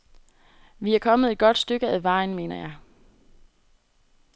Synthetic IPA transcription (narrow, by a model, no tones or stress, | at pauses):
ʋiæɐkʰɒ̽məð̩ˠe̝d̥̚ɡ̥ɒ̽d̥sd̥øɡ̥əæðˠʋɑ̈ɪnme̝̰ːnɐjɑ̈ɪ